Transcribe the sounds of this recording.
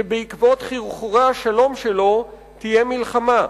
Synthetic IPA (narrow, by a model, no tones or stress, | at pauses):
ebeikvo̞t̪χiʁuχuʁaaʃalo̞mʃelo̞ | t̪ijemilχama